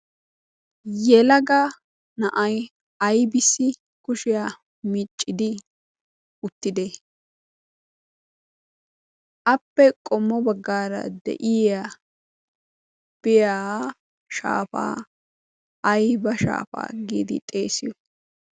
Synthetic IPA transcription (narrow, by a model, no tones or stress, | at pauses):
jɛlɐɡɐ | nɐʔɐj | ɐjbɪsːɪ | kʊʃɪja | mɪt͡ʃʼːɪd̪ɪ | ʊt̪ːɪd̪e | ʔɐpːɛkʼɔmːɔbɐɡːaːɾɐ̰d̪ɛ̰ʔɪa | b̥ɪjaː | ʃa̰ːfa̰ː | ɐjbɐʃa̰ːfa̰ːɡḭːd̪ɪ̰t̪ʼeːsɪjɔ